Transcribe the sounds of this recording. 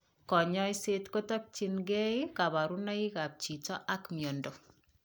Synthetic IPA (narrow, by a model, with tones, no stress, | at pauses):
kɔ˨ɲɔ˦jsetko˦ta˦k̚t͡ʃi˨nɡɛ˦ika˨ba˨ɾuna˦i˦ka˨p̚t͡ʃi˨t͡ʃɔ˦ʔa˦kmjo˨ndo˨